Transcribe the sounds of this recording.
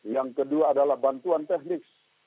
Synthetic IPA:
jaŋkəduaːdalahbant̪uant̪ɛhnɪks

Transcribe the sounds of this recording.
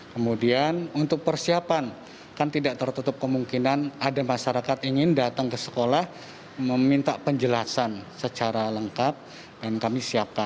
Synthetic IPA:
kəmudianunt̪ʊk̚pərsiapan | kant̪idaʔt̪ərt̪ut̪ʊp̚kəmuŋkinanadamaʃaɾakat̪iŋɪndat̪aŋkəsə̥kolah | məmint̪apəɲd͡ʒəlasansət͡ʃaɾaləŋkap̚ | dankamisiap̚kan

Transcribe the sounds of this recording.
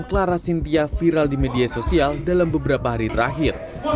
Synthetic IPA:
klaɾasint̪iafiɾaldimediasosialdalambəbəɾapaɦaɾit̪əɾa̰ɦɪr

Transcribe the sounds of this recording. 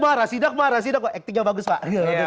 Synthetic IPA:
maɾasidakmaɾas̬idakaʔɛkt̪ɪk̚ɲabaɡʊskaʔɡa

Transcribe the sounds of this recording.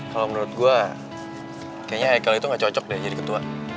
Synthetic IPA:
kalomənuɾʊt̪̚ɡua | kajaɲahajakaloit̪uŋɡaʔt͡ʃɔt͡ʃɔk̚dɛhd͡ʒadikət̪ua

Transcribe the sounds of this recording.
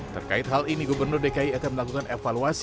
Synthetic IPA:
t̪ə̰rkaɪt̪̚ɦaliniɡubərnʊrdekaiakaməlakukanefaluas

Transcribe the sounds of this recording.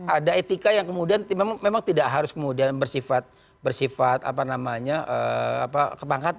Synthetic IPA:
adaet̪ikajaŋkəmudiant̪memamemaŋt̪idaʔɦaɾʊskəmudianbərsifat̪̚ | bərsifat̪a̰panamaɲaʔəa̰pakəpaŋkat̪a

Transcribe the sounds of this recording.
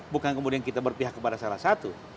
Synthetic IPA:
bukankəmudiankit̪abərpiɦakːəpadasalahsat̪u

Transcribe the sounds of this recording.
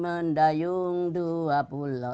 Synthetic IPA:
məndajuŋd̪uapulɔ

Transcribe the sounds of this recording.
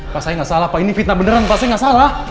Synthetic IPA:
pasaiŋɡaʔsalahpainifit̪̚nabənəɾanpasaiŋɡaʔsalah

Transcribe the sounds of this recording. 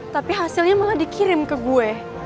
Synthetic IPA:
t̪apiɦasilɲamaladikiɾɪmkəɡuɛ

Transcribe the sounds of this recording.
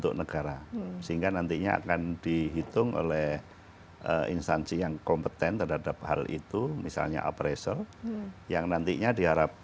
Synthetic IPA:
t̪ʊʔ̚nəɡaɾasəɦiŋɡanant̪iɲaa̰kandiɦit̪ʊŋʔo̰lɛh | ʔəḭnst̪ansijaŋkɔmpət̪ɛnt̪ərɦadap̚ha̰lḭt̪umisa̰lɲa̰ʔapɾesəljaŋnant̪iɲadiɦaɾap̚

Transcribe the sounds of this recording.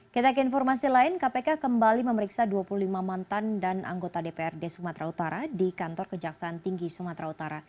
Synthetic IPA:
kit̪ak̬əinfɔrmasilaɪnkapekakəmbaliməməɾiksaduapuluhlimamant̪andanʔa̰ŋɡot̪adepeɛrdesumat̪ɾaut̪aɾadikant̪ɔrkəd͡ʒaksaːnt̪iŋɡisumat̪ɾaut̪aɾa

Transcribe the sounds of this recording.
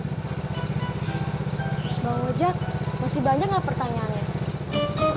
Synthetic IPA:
bawad͡ʒak̚masihbaɲd͡ʒaŋlahpərt̪aɲaːna

